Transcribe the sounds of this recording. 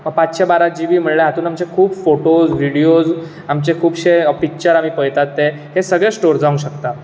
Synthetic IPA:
məɡ̚pat͡sɕebaɾad͡ʑiʋiːm̤əɽɭeɦat̪uːnamt͡ɕekʰuːbfoʈod͡zʋiɽijod͡z | amt͡ɕekʰuːbɕepik̚t͡ɕəɾam̤iːpəjt̪at̪ːe | ɦesəɡɭẽsʈoɾd͡zaũɕəkt̪a

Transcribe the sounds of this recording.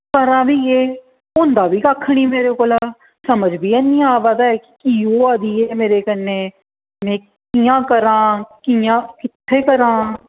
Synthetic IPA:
kəɾãːʋiːeː | ʊnd̪aːʋiːkaːkʰːɽ̃iːmeːɾeːkoːlaː | səməd͡ʒbiːɛːnĩːaːʋad̪aːɛːkɪ̥kiːoːaːd̪iːeːmeːɾeːkəneː | mɛ̃ː | kiːãːkəɾãːkiãːkɪt̪ʰːeːkəɾãː

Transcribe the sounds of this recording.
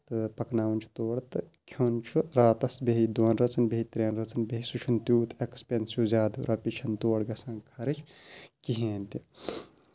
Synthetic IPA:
t̪ɨpɐknaːʋnʲt͡ʃʰu̥t̪oːɽt̪ɨkʲʰjont͡ʃʰuɾaːt̪ɐsbeɦid̪oːnɾɐt͡sɐnbeɦit̪ɾeːnɾɐt͡sɐnbeɦisut͡ʃʰunt̪juːt̪ekspensjuːzʲaːd̪ɾɐpit͡ʃʰɐnt̪oːɐɽɡɐsãːŋkʰɐɾit͡ʃʰkiɦẽːnt̪i

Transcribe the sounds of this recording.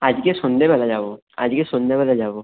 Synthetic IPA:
ad͡ʒkesʊ̃nd̪ʱebɛlad͡ʒaːbo | a̰d͡ʒkesʊ̃nd̪ʱebɛlad͡ʒaːbo

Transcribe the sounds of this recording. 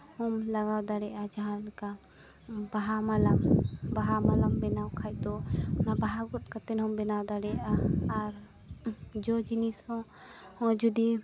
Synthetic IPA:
hɔmlaɡawd̪aɽɛʔad͡ʒaɦãlka | baɦamalambaɦamalambɛnawkʰajt̪ɔnabaɦaɡɔt̪̚kat̪ɛnhɔmbɛnawd̪aɽɛaːɾ | d͡ʒɔd͡ʒinishɔ̃ | hɔ̃d͡ʒud̪i

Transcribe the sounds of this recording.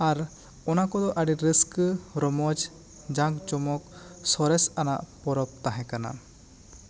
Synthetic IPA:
aɾ | ɔnakɔd̪ɔʔaɖiɾiskɾɔmɔd͡ʒ | d͡ʒãkt͡ʃɔmɔk̚sɔɾɛsana̰ʔpɔɾɔp̚t̪aɦɛ̃kana̰

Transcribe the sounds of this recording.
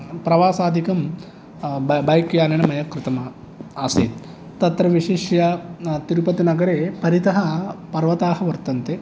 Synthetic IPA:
pɾɐʋaːsaːd̪ʱikɐm | bɐjkjaːnɐɳɐmɐjɐkɾɪt̪ɐmɐ | aseːd̪ | t̪ɐt̪ɾɐʋiʂeːʃjɐt̪iɾupɐt̪inɐɡɐɾeːpɐɾit̪ɐɦɐpɐɾʋɐt̪aːɦɐʋɐɾt̪ɐnt̪e

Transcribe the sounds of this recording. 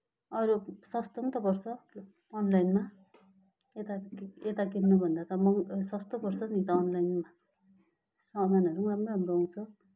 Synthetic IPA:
ʌɾusʌst̪ʌnt̪ʌpʌrt͡sʰʌː | nlajnma | et̪aket̪akinnʌbʱʌnd̪at̪ʌmʌŋsʌst̪ʌpʌrt͡sʰʌnit̪ʌːnlajnma | sʌlajnʌɾuramrʌʌmrʌaw̃t͡sʰʌ

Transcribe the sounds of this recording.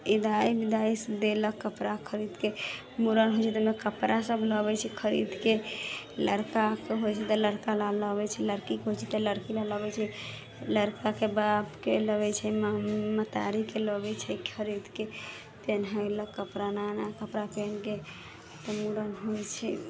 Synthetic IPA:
id̪ajbid̪aisd̪eləkːəpɾakʰəɾid̪ke | muɾənɦojt͡ʃʰɛt̪əmekəpɾʔasəbʱləbɛt͡ʃʰɛkʰəɾḭd̪ke | ləɾkakeɦojt͡ʃʰɛt̪ɔləɾkalaləbɛt͡ʃʰɛləɾkikɦojt͡ʃʰɛt̪ɔləɾkilaləbɛt͡ʃʰɛ | ləɾkakebabkeləβɛt͡ʃʰɛmmət̪a̰ɾikeləbɛt͡ʃʰɛkʰəɾid̪ke | t̪enɦələkːəpɾananakəpɾapenke | t̪ɔmuɾənɦojt͡ʃʰɛ

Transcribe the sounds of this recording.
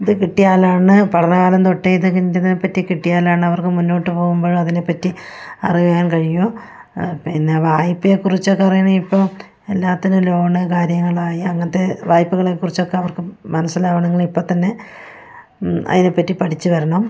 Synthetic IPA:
iðɨkiʈːijaːlaːɳɨpɐʈɐnɐkaːlɐmt̪o̞ʈːeiðɨkiɲːitːɐðinepːɐtːikiʈːijaːlaːɳɨɐʋɐrkɨmunːo̞ːʈːɨpo̞ːɣumboːɻɨɐðine̞pːɐtːiɐriɣujaːnkɐɻiju | pːoinːeʋaːjpːɨjekːurit͡ɕːo̞kːeɐrijːɐɳɐmipːo̞ː | elːaːt̪ːinulo̞ːɳɨkaːɾjɐŋːɐɭaːjiɐŋːɐɐt̪ːe̞ʋaːjpːuɣɐɭekːurit͡ɕːo̞kːe̞ɐʋɐrkɨmɐnɐsːɐlaːbɐɳɐŋːɐɭipːo̞ːt̪ɐnːe̞ | ɐ̰ðine̞pːɐtːipɐʈʰit͡ɕːɨʋɐɾɐɳɐm

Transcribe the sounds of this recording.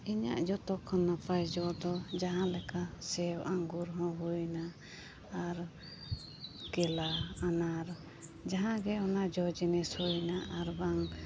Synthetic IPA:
iɲa̰ʔd͡ʒɔt̪ɔkʰɔnːapajd͡ʒɔd̪ɔd͡ʒaɦãlɛkasɛwaŋɡuɾɦɔ̃ɦujnaː | ɾ | kɛlaːnaɾ | d͡ʒaɦãɡɛɔnaʔd͡ʒɔd͡ʒinɛshujnaʔaɾbaŋ

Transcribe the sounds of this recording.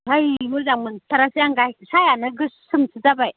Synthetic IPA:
hajmuɾzaŋməntaɾasijaŋɡasajanaɡəssumsid͡zabaj

